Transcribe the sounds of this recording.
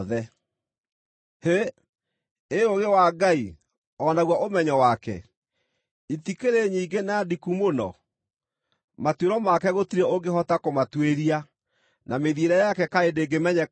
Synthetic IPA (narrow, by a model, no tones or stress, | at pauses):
ðɛ | he | eoɣewaɡai | ɔnaɣwaʔomɛɲɔwakɛ̰ | itikeɾeɲiːɡenadikumonɔ̰ | matweɾɔmakɛɣotiɾɛoɡeɦɔtakomatweɾia | nʔameðieɾɛjakɛkaedeːɡemɛɲɛ